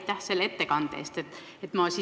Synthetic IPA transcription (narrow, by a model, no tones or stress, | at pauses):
t̪ˑːæhsele̞t̪ːe̞kɑnd̪̥ḛːst̪et̪ː | et̪mɑsi